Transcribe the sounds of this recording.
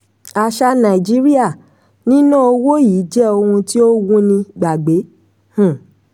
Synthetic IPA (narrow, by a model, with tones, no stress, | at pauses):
a˨ʃa˧nã˨i˨d͡ʒi˨˦ɾi˦a˦˨ | nĩ˦nũ˦o˧wo˦jiː˨˦d͡ʒɛ˦o˧hũ˧ti˦o˦wũ˦nĩ˧ɡ͡ba˨ɡ͡be˨˦ | hũ˦˨